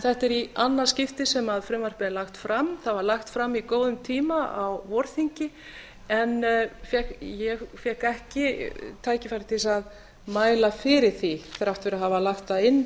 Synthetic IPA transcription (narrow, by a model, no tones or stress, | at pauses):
θɛht̪ɛɾianːascɪft̪ɪsɛmaðfɾɪmvar̥pɪlaxt̪fɾamθaðvaɾlaxt̪fɾamːikoːwðʏmt̪ʰiːmaawvɔɾθiɲcɪ | ɛnfjɛkjɛɣfjɛhkɛhcɪt̪ʰaːjcɪfajɾɪ̥t̪ʰisað | maːjlafɪɾɪɾ̥θiθɛɾaht̪vɛɾaɦavalaxt̪ːaðɪnː